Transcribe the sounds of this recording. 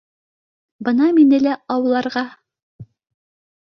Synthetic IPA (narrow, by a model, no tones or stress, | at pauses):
bɤnɑminɘlæɑwɤ̆lˠːɑɾʁɑ